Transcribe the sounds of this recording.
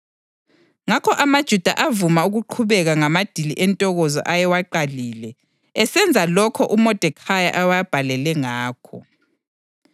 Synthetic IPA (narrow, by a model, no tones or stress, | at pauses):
ŋakʰɔʔamad̥ʒ̥ʱud̥ʱa̰ʔavumauɣuǃʰuβɛɣaŋamad̥ʱiliʔɛntʼɔɣɔzɔ̰ʔajɛwaǃaliːlɛ | ɛsɛnd͡zʱalɔkʰɔʔumɔd̥ʱɛkʰaja̰ʔawajb̥ʱalɛlɛŋaːkʰɔ